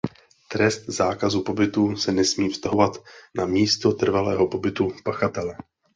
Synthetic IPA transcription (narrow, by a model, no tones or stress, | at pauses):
t̪ɾɛst̪zaːkazuːpo̞bɪt̪uːsɛnɛsmiːfst̪aɦo̞vat̪namiːst̪o̞t̪r̩valɛːɦo̞po̞bɪt̪upaxat̪ɛlɛ